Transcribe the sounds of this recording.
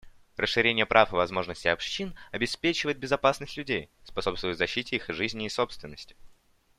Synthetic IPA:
rʔəʂːɨɾʲenʲɪjəpɾʔafɨvɐzmo̞ʐnəsʲtʲɪɐpʂinɐbʲɪspʲet͡ɕɪvəjɪt̪̚bʲɪzɐpasnəsʲtʲlʲʉdʲej | spɐso̞pst̪vəjt̪zɐɕːitʲɪixʐɨzʲnʲɪːso̞pst̪vʲɪnːəsʲtʲɪ̥

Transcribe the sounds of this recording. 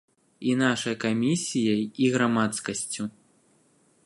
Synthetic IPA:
inaʂɐjkamʲisʲijɐjiɣɾamat̪skɐsʲt͡sʲu

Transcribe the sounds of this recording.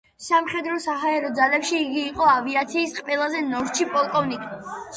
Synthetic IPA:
samχɛd̪ɾɔsaɦaɛɾɔd̪zalɛpʃiːɡiːqʼɔaviat̪sʰiːsqʼvɛlˠazɛnɔɾt͡ʃʰipʼɔlˠkʼɔvnikʼ

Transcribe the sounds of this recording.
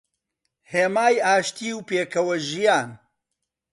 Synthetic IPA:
heːmaːjaːʃt̪iːwpeːkʰɐwɐʒijaːn

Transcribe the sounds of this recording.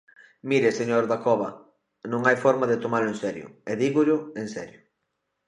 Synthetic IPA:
miɾeseɲoɾðakɔβɐ | nõŋajfɔɾmaðet̪omaɾlʊẽnsɛɾjʊ̰eðiɣʊʎʊensɛ̰ɾjʊ

